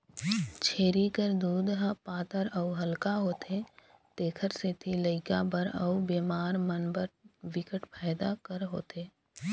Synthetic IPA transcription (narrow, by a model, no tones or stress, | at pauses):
t͡ʃʰeːɾikəɾd̪uːd̪ɦəpaːt̪əɾəuɦəlkaɦoːt̪et̪eːkʰəɾset̪ʰiləɪkabəɾə̰ubeːmaːɾmənbəɾwɪkəʈpɛːd̪akəɾɦo̰ːt̪eː